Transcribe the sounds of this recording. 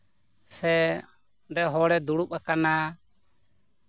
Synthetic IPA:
sɛ | ɖɛɦɔɽɛd̪uɽupakana

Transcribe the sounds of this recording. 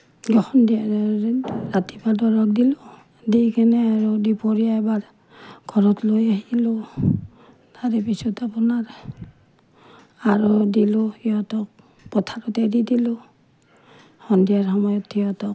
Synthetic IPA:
ɡɔhɔndia | ɹatipadɔɹɔk̚dilʊ | dikʰɛnɛaɹudipɔɹijaɛbaɹ | ɡ̥ʱɔɹɔtlojaɦilʊ | taɾɛpisutapunaɹ | aɹudilʊiɔtɔk̚ | pɔtʰaɾɔtɛdidilʊ | hɔndijaɹxɔmɔjɔtʰːiɔtɔk

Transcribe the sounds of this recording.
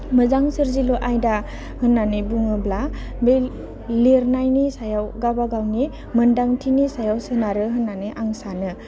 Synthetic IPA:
məzaŋsɯɾziluʔajda | hɯnːanibuŋɯblabej | leɾnajnisajawɡabaɡawni | məndaŋtʰinisajawsɯnaɾɯɦɯnːaniʔaŋsanɯ

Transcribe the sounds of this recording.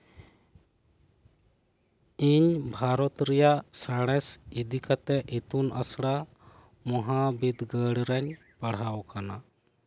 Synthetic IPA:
iɲbʱaɾɔt̪ɾɛjasaɽ̃ɛsid̪ikat̪ɛʔit̪unʔa̰sɽa | mɔɦabid̪ɡəɽɾɛɲ | paɽ̤awkana

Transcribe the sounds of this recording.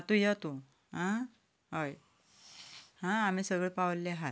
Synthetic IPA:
at̪ũjat̪u | ɦã | ɦəj | hãam̤isəɡɭepawlːeɦa

